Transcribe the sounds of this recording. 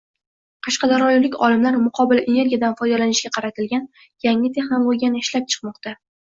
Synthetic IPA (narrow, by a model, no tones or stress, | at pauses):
qʰɑʃqɑd̪aɾɒjilɪkʲɒ̰lɪmlaɾmʊqʰɒbɪlʔene̞ɾɡʲijad̪anfɒjd̪alanɪʃɡʲaqʰɑɾat̪ʰɪlɡʲan | jaŋɪt̪ʰe̞χnolˠɒjɡʲanɪɪʃlap̚t͡ʃʰɨ̥qmɒqt̪a